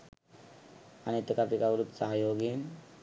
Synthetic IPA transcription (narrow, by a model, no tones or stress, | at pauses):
añit̪əkapikaʋɾup̪saɦajoɡin